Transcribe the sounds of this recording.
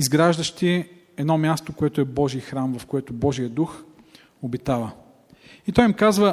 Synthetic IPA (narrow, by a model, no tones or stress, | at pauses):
izɡɾaʒd̪əʃt̪iɛ | ɛd̪nɔmʲjast̪okoɛt̪ʊɛbɔʒijəxɾamvɐfkoɛt̪ʊbɔʒijəd̪ux | obit̪avə | it̪ɔjimkazvə